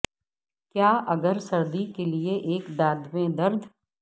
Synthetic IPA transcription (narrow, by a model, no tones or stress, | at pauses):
kjaːʔɐɡəɾsɐɾd̪ikelieʔeːkd̪aːd̪ʋẽd̪ɐɾd̪ʱ